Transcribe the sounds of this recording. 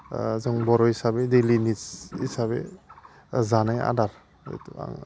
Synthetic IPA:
zɔŋbɔɾɔhisabedelinisisabḛ | zanaja̰daɾ | ɔ̰jta̰ŋ

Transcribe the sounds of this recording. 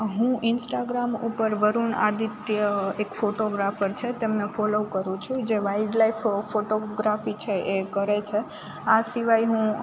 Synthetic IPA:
ɦũinsʈaɡɾamupəɾʋəɾuɳa̰d̪it̪jəekfoʈoɡɾafəɾt͡ʃʰet̪emnefɔlokəɾũt͡ʃʰũd͡ʒeʋaiɖlaiffoʈoɡɾafit͡ʃʰeʔekəɾet͡ʃʰe | asiʋajɦũ

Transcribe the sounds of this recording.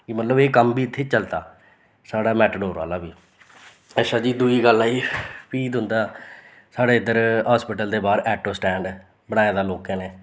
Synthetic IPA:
kimət̪ləbeːkəmbiːɪt̪ʰːeːt͡ʃəlt̪aː | saːɽaːmɛːʈəɖoːɾa̰ːlaːbiː | ɛʃʰaːd͡ʒiːd̪uiːɡəlːaːiːpiːd̪ɦʊ̃nd̪aː | saːɽeːɪd̪əɾɦaːspɪʈəld̪eːbaːɾɛːʈoːsʈɛ̃ːɳɖ | bəɽaːjaːd̪aːloːkɛ̃ːnɛː

